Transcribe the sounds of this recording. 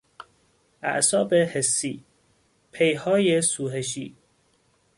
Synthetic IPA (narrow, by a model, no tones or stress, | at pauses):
ʔæ̰ʔsɒːbehesːiː | pʰejhɒːjesuːɦeʃ̬iː